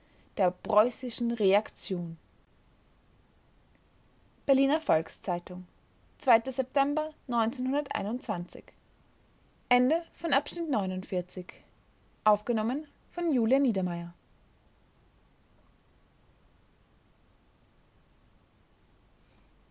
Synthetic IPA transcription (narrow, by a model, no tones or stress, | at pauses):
d̥eːɐpʁ̥ɔʏsɪʃn̩ʁeakt͡sjoːn | b̥ɛɐliːnɐfɔlkst͡saɪtʊŋ | t͡sv̥aɪtəzɛp̚tʰɛmbɐnɔʏnt͡seːnhʊndɐtʔa̰ɪnʊnt͡sv̥ant͡sɪ̰ç | ʔɛndəfɔnʔapʃnɪtnɔʏnʊntfɪɐt͡sɪç | ʔaʊfɡ̥ənɔmən | fɔnjuːljaniːdɐmaɪɐ